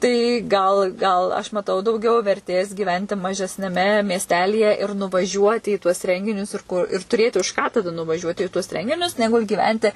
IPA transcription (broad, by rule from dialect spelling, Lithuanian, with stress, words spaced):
tɐɪ ˈɡɐlˠ ˈɡɐlˠ ɐʃ mɐˈtɐʊ dɐʊˈɡʲɛʊ ʋʲɛrʲˈtʲeːs ɡʲiːˈʋʲɛnʲtʲɪ mɐʒʲɛsʲnʲɛˈmʲɛ mʲiɛsʲˈtʲæːlʲiːjɛ ɪr nʊʋɐˈʒʲuɔtʲɪ iː tuɔs ˈrʲɛŋʲɡʲɪnʲʊs ɪr ˈkʊr ɪr tʊˈrʲeːtʲɪ ʊʃ kɑː tɐˈdɐ nʊʋɐˈʒʲuɔtʲɪ ɪ tuɔs ˈrʲɛŋʲɡʲɪnʲʊs nʲɛˈɡʊlʲ ɡʲiːˈʋʲɛnʲtʲɪ